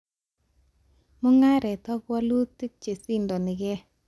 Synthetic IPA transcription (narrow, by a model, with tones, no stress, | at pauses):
mʊ˦ŋa˦ɾɛ˨tɔ˦kwɔ˦lu˦ti˦k̚t͡ʃe˨si˦ndɔ˨nɪ˨ɡɛ˦